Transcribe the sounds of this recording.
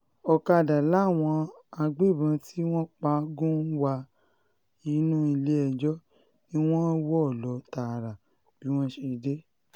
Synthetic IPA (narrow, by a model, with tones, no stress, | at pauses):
ɔ˧ka˧˨da˨la˨˦˨w̃ɔ̃˧a˧ɡ͡be˦˨bã˨˧ti˦w̃ɔ̃˦k͡pa˧˦ɡũ˦n̩˦wa˧ | i˧˦nũ˦i˧le˦ɛ˧˨d͡ʒɔ˦ | nĩ˦w̃ɔ̃˦wɔ˦ɔ˦˨lɔ˨˦ta˨ɾa˨ | b̥i˨˦w̃ɔ̃˦ʃe˧˦de˦